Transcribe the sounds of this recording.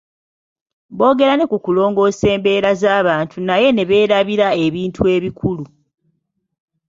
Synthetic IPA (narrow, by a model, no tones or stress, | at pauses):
βo̞ːɡe̞ɾane̞kukulo̞ːŋɡo̞ːse̞ːmbe̞ːɾazaːβaːntʰunaje̞ne̞βe̞ːɾaβiɾae̞βiːntʰue̞ːβikʰulu